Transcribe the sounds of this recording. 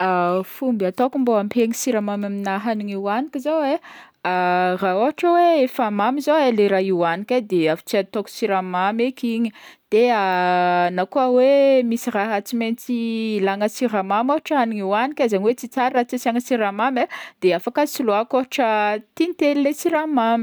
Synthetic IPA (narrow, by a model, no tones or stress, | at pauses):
afumbiat̪okumboampʰeŋisiɾamamaminaɦaniŋiwanikʲizowe | araoɦaʈ͡ʂəweefamamizoeleɾaiwanikʲad̪eafu̥t͡siat̪oku̥siɾamamekiɲid̪̥eanakuawemisiraɦat͡siment͡silaŋəsiɾamamoɦaʈ͡ʂəɦaniŋiwanikʲazaɲiwet͡sit͡saɾirat͡sisiaŋəsiɾamamed̪̥eafakasiloakoɦaʈ͡ʂət̪init̪elilesiɾamami̥